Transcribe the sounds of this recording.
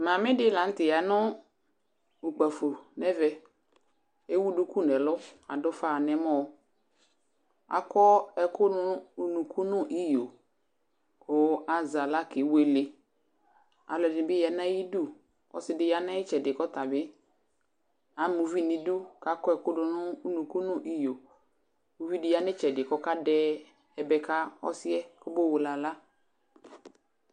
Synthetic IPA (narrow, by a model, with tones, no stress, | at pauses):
mã˨mɪ̃˦dɪ˦la˨˦n̩˦tɪ˨ja˨nʊ˦ | u˨k͡pa˨fo˨nɛ˦vɛ˦ | e˦wu˦du˦ku˦nɛ˨lʊ˦a̰˨dʊ˦fa˦˨nɛ˨mɔ˦ | a̰˨kɔ˦ɛ˨kʊ˦nʊ˦˨nũ˨kʰu˦nʊ˦ʔi˦jo˨ | o˨˦a˨za˨la˦kɪ˨we˦lɪ˨ | a̰˨lɔ˨dɪ̃˨bɪ˦ja˨na˦ji˦du˦˨ | ɔ̰˨sɪ˨˦dɪ˨˦ja˦nã˦ɪ˦t͡ʃɛ˨dɪ˨kɔ˦t̪a˨bɪ˦ | a˨˦mu˨vi˦˨nɪ̃˨du˦ka˨kɔ˦ɛ˨kʊ˦nʊ˨nʊ̃˦u˦nũ˨ku˦nʊ̃˦ʔi˦jo˨ | mu˨vi˦dɪ˨ja˦nɪ˦t͡ʃɛ˨dɪ˨kɔ˦ka˦dɛ˦ | ɛ˨bɛ˨ka˦ɔ̰˦sɪ˦ɛ˦kʊ˦bo˦˨wʊ˨la˨la˦